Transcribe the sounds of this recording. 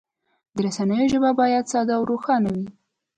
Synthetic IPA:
d̪əɾasanəjoʒəbabɑjad̪sɑd̪awɾoxɑnawi

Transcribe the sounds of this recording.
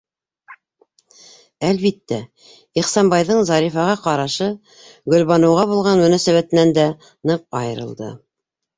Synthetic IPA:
ælβit̪ːæ | iχsɑmbɑjðɤɴzɑɾifɑʁɑqɑɾɑʃɤ | ɡɵ̆lβɑnɤ̆wʁɑβulˠʁɑnmɵ̆næsæβæt̪ɘ̆nænd̪æ | nɤq̚ɑjɤ̆ɾɤ̆lˠd̪ɤ̰

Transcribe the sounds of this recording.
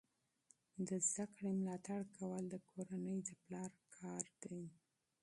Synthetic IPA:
d̪əzd̪akɽemlɑt̪aɽkawəld̪əkʰoɾanəjd̪əplɑɾkʰɑɾd̪̥aj

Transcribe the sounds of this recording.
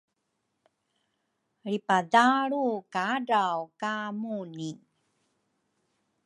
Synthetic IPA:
ɾipadaɭukaɖawkamuni

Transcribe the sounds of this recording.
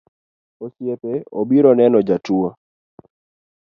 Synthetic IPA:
osjepeobiɾɔnɛnɔd͡ʒatuo

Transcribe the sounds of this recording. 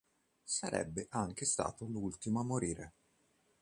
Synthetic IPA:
saɾʔɛ̰bːeʔaŋk̟est̪a̰ːt̪olult̪imoamːoɾiːɾe

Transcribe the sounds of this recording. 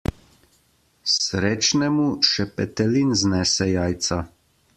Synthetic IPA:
sɾeːt͡ʃnɛmuʃɛpɛt̪ɛlinznɛːsɛjaːjt̪sa

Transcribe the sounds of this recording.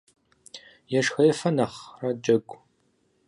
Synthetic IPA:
jɛʂxɐjɛfɐnɐχrɐd͡ʒɐɡʷʼ

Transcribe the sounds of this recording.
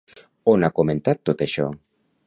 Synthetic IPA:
onakomẽnt̪at̪ːot̪eʃɔ

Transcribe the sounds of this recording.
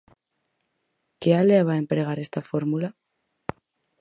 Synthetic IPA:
ke̞aleaβaempɾe̞ɣ̞aɾe̞st̪afo̞ɾmula

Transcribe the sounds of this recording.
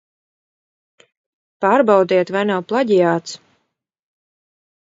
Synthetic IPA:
paːɾbawd̪iɛt̪vajnawplˠaɟijaːt̪s

